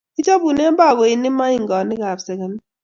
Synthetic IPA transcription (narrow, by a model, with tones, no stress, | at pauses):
i˦t͡ʃa˦bu˨ne˦a˦ba˦˨ɡɔ˨i˨nɪ˦ma˦i˦˨ŋ˨ɡɔ˨nɪ˦ka˨bsɛ˨ka˨ni˦